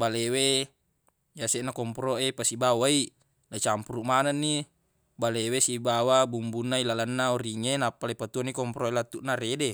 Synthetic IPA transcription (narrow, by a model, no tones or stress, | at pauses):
balewe | jaseʔnakɔmpɾoepasibawai | nat͡ʃampuɾuʔmananːi | balewesibawabumbunːailalanːaoɾiŋenapːalapat̪uanikɔmpɾoelat̪ːuʔnaɾede